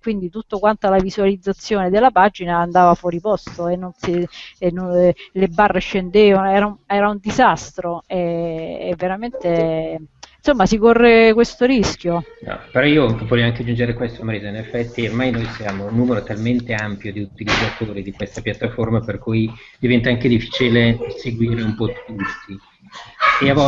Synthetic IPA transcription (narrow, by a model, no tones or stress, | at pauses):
kwind̪it̪ut̪ːokwant̪alavisualid̪zːat̪sːjoːned̪elːapad͡ʒinaːnd̪aːvafwɔːɾipɔst̪oenːonsinːonlebarːeʃend̪eːvanoɛːɾaɛːɾaund̪izast̪ɾoeː | vːeɾament̪e | nsomːasikorːekwest̪oɾisk̟jonɔ̰peɾɔiːovɔʎːjoaŋkead͡ʒːund͡ʒeɾekwest̪omɾeːzoinefːɛt̪ːiormajnojsjaːmounːuːmeɾot̪alment̪eampjod̪iut̪ilid̪zat̪oːɾid̪ikwest̪apjat̪ːaformaperkuj | d̪ivɛnt̪aaŋked̪ifːi̥ːt͡ʃileseɡwiːɾeumpɔd̪it̪ut̪ːi | eavɔ